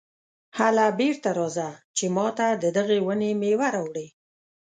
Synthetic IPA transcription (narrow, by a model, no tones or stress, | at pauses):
halabeɽt̪aɾɑzat͡ʃemɑt̪ad̪əd̪əɣewənemewaɾawɽe